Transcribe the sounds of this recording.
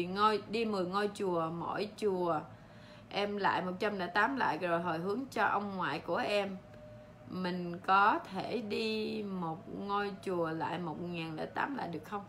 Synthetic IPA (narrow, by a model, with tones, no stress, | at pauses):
ŋo˧jɗi˧mɨ˨˩əjŋo˧jt͡ɕu˨˩əmo̰˧˥˨jt͡ɕu˨˩ə | ʔɛ˧mla̰ː˧˨jmo˨˩t̚t͡ɕa˧mɗa̰ː˧˥t̪aː˨˦mla̰ː˧˨jzo˨˩jɦo˨˩jɦɨ˨˦əŋt͡ɕɔ˧ʔə˧wŋ͡mŋwa̰ː˧˨jku˧˩əʔɛ˧m | mï˨˩ŋ̟kɔ˨˦t̪ʰe˧˩ɗi˧mo˨˩t̚ŋo˧jt͡ɕu˨˩əla̰ː˧˨jmo˨˩t̚ŋaː˨˩nɗa̰ː˧˥t̪a̰ː˨˦mla̰ː˧˨jɗɨ˨˩ək̚xə˧wŋ͡m